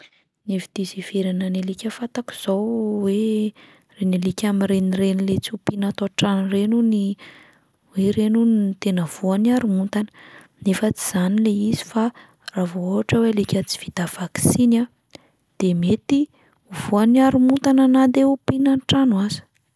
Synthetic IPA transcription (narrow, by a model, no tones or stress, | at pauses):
nefid̪iziveɾananelikʲəfat̪aku̥z̥owwe | renelikʲamirenirenilet͡siupinat̪oʈ͡ʂanrenuni | weɾenunit̪enəv̥uaniaɾumunt̪anə̥ | nefət͡si̥z̥anileizi̥fa | ravooaʈ͡ʂəwealikʲət͡si̥v̥id̪̥av̥aki̥sina | d̪̥emet̪i | uvuaniaɾumut̪ananad̪eupinanʈ͡ʂanwazi̥